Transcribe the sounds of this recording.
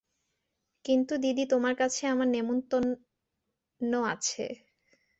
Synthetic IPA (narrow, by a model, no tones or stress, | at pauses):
kint̪ud̪id̪it̪omaɾkat͡ɕʰeamaɾnemont̪on | oat͡ɕʰḛ